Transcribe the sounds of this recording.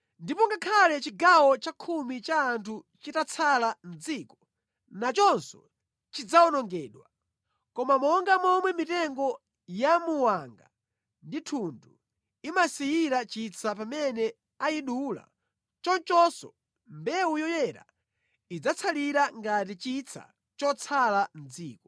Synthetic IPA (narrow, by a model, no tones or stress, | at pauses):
ndipɔŋɡakʰalɛt͡ʃiɡawɔt͡ʃakʰumit͡ʃaːntʰut͡ʃitat͡sʰalam̩d͡zikɔ̥ | nat͡ʃɔnsɔ̰ | t͡ʃid͡zaɔnɔŋɡɛːɗwa | kɔmamɔŋɡamɔmwɛmitɛŋɡɔ | jamuwaŋɡa̰ | nditʰundu | imasijiɾat͡ʃit͡sʰapamɛnɛ | aiɗula̰ | t͡ʃɔnt͡ʃɔsɔ̰ | mbɛujɔjɛɾa̰ | id͡zat͡sʰaliɾaŋɡatit͡ʃit͡sʰa̰ | t͡ʃɔt͡sʰaland͡ziːkɔ